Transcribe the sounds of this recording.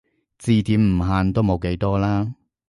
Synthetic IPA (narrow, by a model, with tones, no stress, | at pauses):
t͡siː˨˧t̪ʰiː˨˥mm̩˨˩ɦaː˨˧nt̪o˥wmo˨˧wke˨˥jt̪ɔː˥laː˥